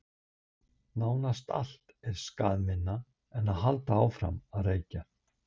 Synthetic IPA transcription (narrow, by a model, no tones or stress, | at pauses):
naːwnast̪a̰l̥t̪ɛɾ̥skaːðmɪnːa | ɛnaðɦalt̪aawfɾa̰maðreːjca